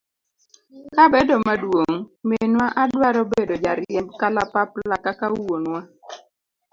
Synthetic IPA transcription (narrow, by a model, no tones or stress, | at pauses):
kabedɔmadwoŋmenwaʔadwaɾɔbedod͡ʒaɾɛmbkalapaplakakawonwa